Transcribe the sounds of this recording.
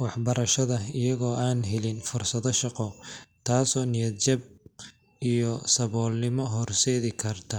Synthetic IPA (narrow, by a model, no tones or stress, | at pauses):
wɑħbɐɾɐʃɐðɐɪjɐɣɔːʔaːnɦɛlɪnfʊrsɐðɔʃɑqɔt̪ʰaːsɔːnɪjɐd̪̚t͡ʃɐb̚ | ijɔsɐβɔːlnɪmɔɦɔrsɛːðɪkʰɐrt̪ʰɐ